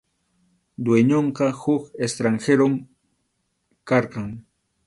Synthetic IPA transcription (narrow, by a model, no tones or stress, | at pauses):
d̪weɲoɴqɑhʊkest̪ɾaŋxeɾom | kɑɾqɑŋ